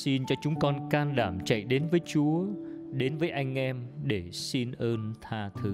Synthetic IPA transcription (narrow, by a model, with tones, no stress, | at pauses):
si˧nt͡ɕɔ˧t͡ɕʊ˨˦ŋ͡mkɔ˧nkaː˧nɗaː˧˩mt͡ɕa̰˧˨jɗe˨˦nvəː˨˦jt͡ɕu˨˦əɗe˨˦nvəː˨˦jʔa˧jŋ̟ʔɛ˧mɗe˧˩si˧nʔəː˧nt̪ʰaː˧t̪ʰɨ˨˦